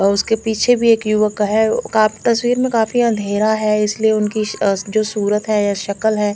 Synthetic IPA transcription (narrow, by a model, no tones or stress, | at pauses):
ʊskepiːt͡ʃʰebʱieːkjʊʋəkɦɛkaːt̪ɐswiːɾmẽkaːfiɐ̃nd̪ʱeːɾaɦɛɪslieʊnkid͡ʒoːsuːɾət̪ɦɛjaʃɐkəlɦɛː